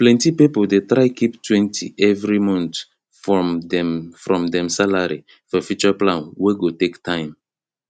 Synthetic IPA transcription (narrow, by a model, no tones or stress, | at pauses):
plɛ̃ntipipodetɹaɪkiptwɛ̃ntʰḭʔɛvɹimɔ̃nt | fɛfɹɔ̃mdɛ̃msalaɹi | fɔfjut͡ʃɔplãnweɡotektʰãɪ̃m